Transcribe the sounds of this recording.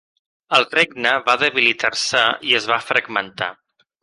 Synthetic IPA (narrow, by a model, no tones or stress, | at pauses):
əlˠreɡ̚nəβaðəβilit̪arsəiəzβafɾəɡmənt̪a̰